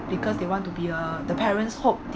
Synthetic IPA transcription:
bikɔsdewɔ̃ntubiəd̪əpʰɛɹə̃nshop̚d

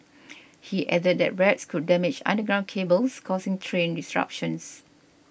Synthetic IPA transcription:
hiʔɛdəd̚dɛ̰t̚ɹɛtskʰud̚ːɛmɪd͡ʒã̰ndəɡɹãʊ̃nkʰebəlskʰɔsĩŋtʰɹẽndisɹa̰p̚ʃə̃ns

